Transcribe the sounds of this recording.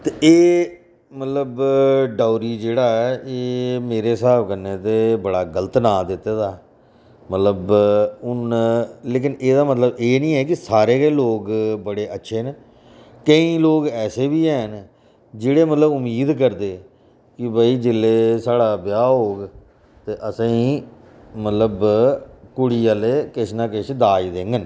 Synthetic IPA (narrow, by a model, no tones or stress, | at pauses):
t̪eʔeː | mət̪ləbɖaːʊɾiːd͡ʒeːɽaːɛːʔeːmeːɾeːsaːbkənːeːt̪eːbəɽaːɡələt̪naːd̪ɪt̪ːeːd̪aː | mət̪ləbʊnleːkɪneːd̪aːmət̪ləbeːnĩːɛːk̬ɪsaːɾeːkeːloːkbəɽeːʔətːʃʰeːne | kəĩːloːkɛːseːbiːɛːn | d͡ʒeːɽeːmət̪ləbʊmiːd̪kəɾd̪eː | kɪbəiːd͡ʒɪlːeːsaːɽaːbjaːɦoːɡ | t̪eːʔəsãːiː | mət̪ləb | kʊɽiːaːleːkɪʃnaːkɪʃd̪aːid̪ẽːŋɡən